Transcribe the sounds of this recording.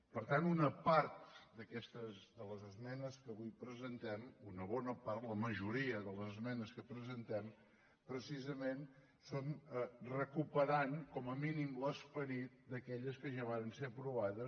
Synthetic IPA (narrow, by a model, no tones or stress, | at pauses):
pəɾt̪anunəpaɾt̪d̪əkɛst̪əzd̪ələzəzmɛnəskəβujpɾəzənt̪ɛmunəβ̞ɔnəpaɾt̪ləməʒuɾiəðələzəzmɛnəskəpɾəzənt̪ɛm | pɾəsizəmen | sonərəkupəɾankɔməminimləspəɾit̪̚d̪əkɛʎəskəʒaβ̞aɾənseəpɾuβ̞aðə